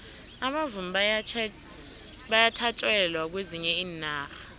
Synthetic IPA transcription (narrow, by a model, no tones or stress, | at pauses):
aɓavumiɓajʰ | ɓajatʰat͡ʃʼwɛlwak̬weziɲɛiːnaːxḁ